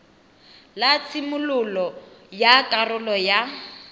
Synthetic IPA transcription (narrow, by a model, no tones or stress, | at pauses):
lat͡sʰimʊlʊlɔjakʼarʊlɔja